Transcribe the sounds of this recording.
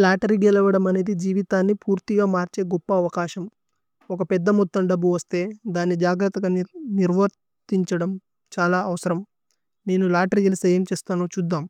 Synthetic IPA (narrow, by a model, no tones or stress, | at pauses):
laːʈɐɾiɡɛlɐʋɐɽɐmɐne̞ːd̪id͡ʒiːʋit̪aːnːipuːɾt̪iɡaːmaːɾt͡ʃe̞ːɡɔpːɐːʋɐkaːʃɐm | ɔkɐpɛd̪ːɐmɔt̪ːɐɳɖɐbːuʋɐst̪e̞ːd̪aːnːid͡ʒaːɡɾɐt̪ɐɡɐnniɾʋɐɾt̪iɲt͡ʃɐɽɐm | t͡ʃaːlaːʔɐʋɐsɐɾɐm | ne̞ːnulaːʈɐɾijɐlusɐjɐmt͡ʃeːst̪aːnoːt͡ʃud̪ːaːm